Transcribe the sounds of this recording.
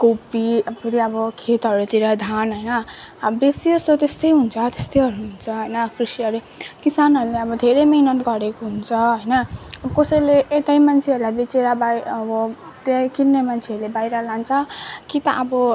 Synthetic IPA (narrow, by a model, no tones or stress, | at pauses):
kowpiʌpʰeɾiʌbʌkʰet̪ʌɾuet̪iɾʌd̪ʱanɦʌjnʌbesiʌsot̪est̪ʌjɦunt͡sʰʌt̪est̪ʌjɦʌɾuɦunt͡sʰʌɦʌjnʌkrisiʌɾe | kisanʌɾuleʌbʌd̪ʱeɾejminʌt̪ɡʌɾekoɦunt͡sʰʌɦʌjnʌkosʌjleʔːt̪ajmant͡sʰeʌɾulajbet͡seɾabaʌbʌ | t̪ekinnemant͡sʰeʌɾlebajɾʌlant͡sʰʌkit̪ʌʔʌbʌ